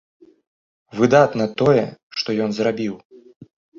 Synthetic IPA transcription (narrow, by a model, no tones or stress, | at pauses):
vɨd̪at̪nɐt̪ɔjɛʂt̪ɔjɔnzrabʲiw